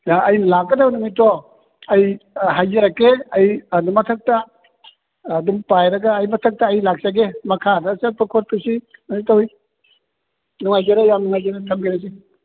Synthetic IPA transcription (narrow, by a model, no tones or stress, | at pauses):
jaɐjnɐlakɡɐdawnuŋmitːɔ | ɐjɦajzeɾɐkːeɐjɐdumːɐtʰɐk̚tɐ | dumpajɾɐɡɐːjmɐtʰɐk̚tɐːjlak̚sɐɡemɐkʰadɐsapɐkʰot̚pʰisinɐsitɐwhij | nuŋajɡeɾɐjamnuŋajɡeɾɐtʰɐmɡinɐs̬i